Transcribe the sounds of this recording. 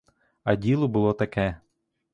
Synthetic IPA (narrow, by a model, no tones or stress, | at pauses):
ɐdʲilˠɔbʊlˠɔt̪ɐkɛ